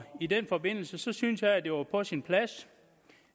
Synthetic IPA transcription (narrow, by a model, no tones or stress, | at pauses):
idenfɒ̽be̝n̰l̩səsɒ̽synsjɑ̈ɪæd̥e̝ʋɑ̈pʰɒ̽sinpʰlæs